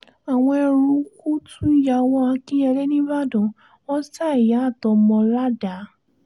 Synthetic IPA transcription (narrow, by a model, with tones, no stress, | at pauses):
a˨w̃ɔ̃˧ɛ˧ɾu˧ku˦tʰũ˦i˦ja˧w̃ɔ̃˧a˧kĩ˦ɛ˧le˦nĩ˦ba˦dɔ̃˨ | wɔ̃˦sa˦˨i˨ja˨˦a˦˨tɔ˨˧mɔ̃˧la˦da˨˦